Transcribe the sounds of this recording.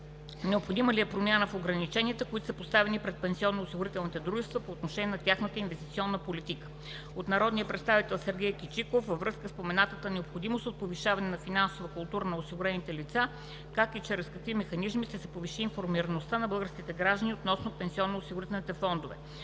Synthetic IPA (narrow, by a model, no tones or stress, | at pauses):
nɛopxod̪iməliɛpɾomʲjanəfoɡɾɐnit͡ʃɛniət̪əkoit̪o̥səpost̪avɛnipɾɛt̪̚pɛnsiɔnːoːsiɡʊɾit̪ɛlˠnit̪ɛd̪ɾuʒɛst̪vəpoːt̪noʃɛniɛnɐt̪ʲjaxnət̪əinvɛst̪it̪siɔnːəpolit̪ikə̥ | ot̪nɐɾɔd̪nijəpɾɛt̪st̪avit̪ɛlˠsɛɾɡʲɛjkit͡ʃikofːəvɾɤskəspomɛnat̪ət̪ənɛopxod̪imost̪ot̪̚poviʃavɐnɛnɐfinansovəkʊlˠt̪uɾənɐosiɡʊɾɛnit̪ɛlit̪sa | kakit͡ʃɛɾɛskɐkvimɛxɐnizmiʃt̪ɛsɛpoviʃiːnfoɾmiɾɐnost̪anɐbɤlˠɡəɾskʲit̪ɛɡɾaʒd̪əniot̪nɔsnopɛnsiɔnːosiɡʊɾit̪ɛlˠnit̪ɛfɔnd̪ovɛ̰